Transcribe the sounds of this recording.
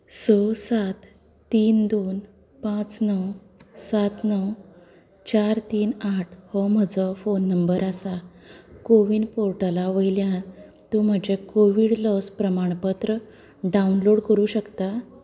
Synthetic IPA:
sɔsat̪ː | iːnd̪on | pãt͡snəw | sat̪nəw | t͡ɕaɾt̪iːnaʈʰhɔm̤əd͡zɔfonːəmbəɾasakoʋiːnpoɾʈalaʋəjljã | t̪um̤əd͡ʑekoʋiɽləspɾəmaɳ̃pət̪ɾə | ɖaunloɽkəɾuːɕəkt̪a

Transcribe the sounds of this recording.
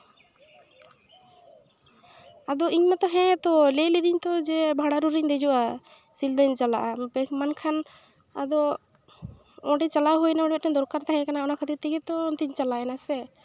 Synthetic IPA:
ad̪ɔʔiɲnat̪ɔɦɛ̃t̪ɔlɛlid̪iɲt̪ɔd͡ʒɛbʱaɽaɾuɾiɲd̪ɛd͡ʒuʔa | sild̪aɲt͡ʃalaʔabɛkmankʰan | a̰d̪ɔ | ɔ̃ʈɛt͡ʃalawɦujnaɔ̃ɖbɛt̪̚ʈɛnd̪ɔɾkaɾt̪aɦɛ̃kanaɔnakʰət̪it̪iɡɛt̪ɔnt̪iɲt͡ʃalaɛnasɛ

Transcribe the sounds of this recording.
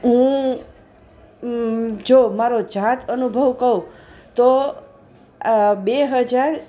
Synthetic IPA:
ɦũ | d͡ʒomaɾod͡ʒat̪ʰənubʱəʋkəũt̪o | beɦəd͡ʒaɾ

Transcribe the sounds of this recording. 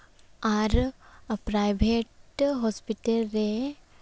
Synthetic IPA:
aɾpɾajbʱeʈɦɔːspiʈəlɾe

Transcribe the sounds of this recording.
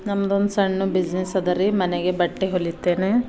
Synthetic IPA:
nɐmːɐd̪ond̪usɐɳːubid͡ʒnisɐd̪ɐɾimɐneɡebɐʈːeɦolːit̪ːeːne

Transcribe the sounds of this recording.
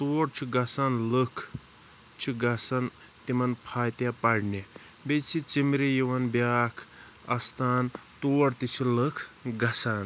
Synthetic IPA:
t̪oːɽt͡ʃʰiɡɐsaːnləkʰ | t͡ʃʰiɡɐsɐn | t̪imɐnpʰaːjt̪japɐɽni | bet͡sʰit͡simɾijiʋɐnbjaːkʰ | ɐst̪ʰaːnt̪oːɽt̪it͡ʃʰiləkʰɡɐsaːn

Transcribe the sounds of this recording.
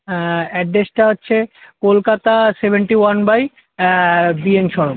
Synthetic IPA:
ɛɖesʈaɦotːɕʰekolkat̪asebʱeɳʈiwanbaj | bienʃɔɾom

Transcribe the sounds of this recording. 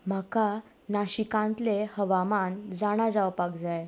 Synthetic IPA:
m̤aka | naɕikãnt̪lehəʋamand͡zaɽ̃ad͡zaʋpaɡd͡zaj

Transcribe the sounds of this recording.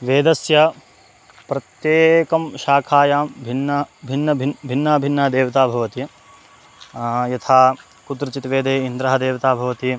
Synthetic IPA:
ʋeːd̪ɐsjɐ | pɾɐt̪jeːkɐmʃaːkʰaːjaːmbʱinːɐbʱinːɐbʱibʱinːaːbʱinːaːd̪eːʋɐt̪aːbʱɐʋɐt̪i | jɐt̪ʰaː | kut̪ɾɐt͡ʃit̪ʋeːd̪eːind̪ɾɐɦɐd̪eːʋɐt̪aːbʱɐʋɐt̪i

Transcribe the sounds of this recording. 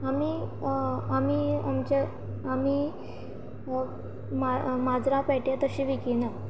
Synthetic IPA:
ami | amiːa̰mt͡ɕe | ami | mamad͡zɾãpɛʈjat̪əɕiːʋikina

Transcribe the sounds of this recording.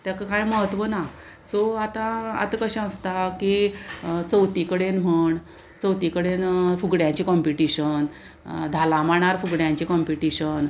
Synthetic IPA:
t̪jakakajməɦət̪ʋəna | soat̪ãa̰t̪kəɕãə̃st̪aki | t͡səwt̪ikəɽenm̤əɳ | t͡səwt̪ikəɽenfuɡɽjãɲt͡ɕiːkɔmpiʈiɕən | d̪ʱalãmaɳ̃aɾfuɡɽjãɲt͡ɕiːkɔmpiʈiɕən

